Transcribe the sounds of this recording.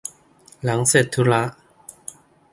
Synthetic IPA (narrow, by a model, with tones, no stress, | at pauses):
la˨˩˦ŋse˨˩t̪ʰːu˧˦˥la˦˥ʔ